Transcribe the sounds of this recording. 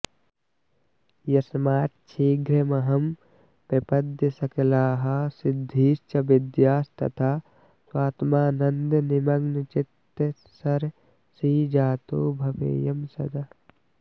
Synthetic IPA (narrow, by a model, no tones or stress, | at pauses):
jɐsmaːt̪t͡ʃʰiːɡɾemɐɦɐm | pɐpɐd̪jɐsɐkɐlaːɦɐsɪd̪ʱːiːst͡ʃɐbɪd̪jaːst̪ɐ̰t̪ʰaː | swaːt̪maːnɐnd̪nɪmɐɡnt͡ʃɪt̪ː | sɐɾ | siːd͡ʒaːt̪oːbʱɐʋḛːjɐmsɐ̰d̪ɐ